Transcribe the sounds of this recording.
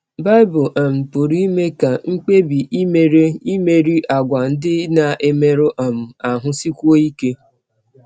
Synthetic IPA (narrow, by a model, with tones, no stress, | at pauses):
ba˦ɪ˦bʊ˨ʔa˨m̩˨pʊ˨ɾi˦i˦me˦ka˨ŋ̩˦k͡pe˦bi˨ʔi˦me˨ɾe˦i˦me˨ɾi˦ʔa˨ɡʷa˨n̩˦dɪ˦na˨ʔe˦me˦ɾʊ˦ʔa˨m̩˨a˨ɦʊ˦si˦kʷo˦i˦ke˦